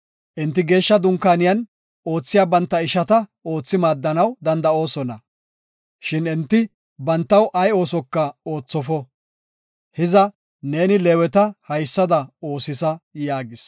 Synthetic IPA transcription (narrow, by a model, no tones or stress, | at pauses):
ʔɛnt̪ːɪɡe̞ːʃːɐd̪ʊŋkːaːnɪjɐn | o̞ːt͡sːɪjaːbɐnt̪ːɐɪʃɐt̪ɐo̞ːt͡sːɪmaːd̪ːɐnɐwd̪ɐnd̪ɐo̞ːsɔnɐ | ʃɪnɛnt̪ːɪ | bɐnt̪ːɐwʔɐjo̞ːsɔkːɐo̞ːt͡sːɔfɔ | hɪzɐ | ne̞ːnɪleːwɛt̪ɐhɐjsːɐd̪ɐo̞ːsɪsɐjaːɡɪs